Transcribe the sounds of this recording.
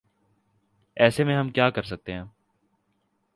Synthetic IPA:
ɛːsemẽɦɐmkjaːkɐɾsɐk̚t̪eɦɛ̃ː

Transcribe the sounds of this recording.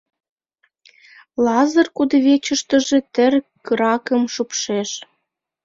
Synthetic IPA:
lɑzərkud̪ə̆βet͡ɕə̆ʃt̪ə̆ʒĕt̪ərkɯɾɑkəmʃupʃeʃ

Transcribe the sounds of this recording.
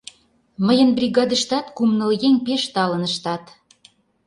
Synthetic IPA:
məjə̆nbrʲiɣɑd̪əʃt̪ɑt̪kumnə̆ljeŋʲpeʃt̪ɑlənəʃt̪ɑt̪

